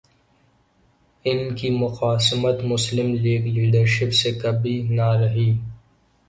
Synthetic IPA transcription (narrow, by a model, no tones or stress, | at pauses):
ɪnkimʊqaːsmət̪mʊslɪmliːɡliːɖəɾʃɪpsekɐbinaɾɐɦiː